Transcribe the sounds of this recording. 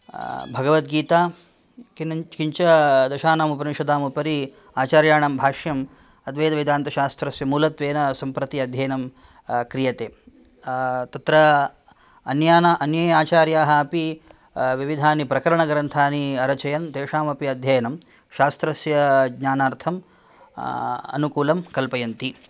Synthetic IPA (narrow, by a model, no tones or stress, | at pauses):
bʱɐɡɐʋɐt̪̚ɡiːt̪aː | kinkiɲt͡ʃɐd̪ɐʃaːnaːmupɐɾimʃɐd̪aːmupɐɾi | aːt͡ʃaːɾjaːɳɐmbʱaːʃjɐm | ɐd̪ʋeːd̪ɐʋid̪aːnt̪ɐʃaːst̪ɾɐsjɐmuːlɐt̪ʋeːnɐsɐmpɾɐt̪iɐd̪ʱjɐjɐnɐm | kɾijɐt̪eː | t̪ɐt̪ɾɐ | ɐnjaːnaʔɐnjɐjaːt͡ʃaːɾjaːɦɐɐpi | ʋiʋid̪ʱaːnipɾɐkɐɾɐɳɐɡɾɐnt̪ʰaːniɐɾɐt͡ʃɐjɐnt̪eːʂaːmɐpiɐd̪ʱjɐjɐnɐm | ʃaːst̪ɾɐsjɐɡɲaːnaːɾt̪ʰɐm | ɐ̰nukuːlɐmkɐlpɐjɐnt̪i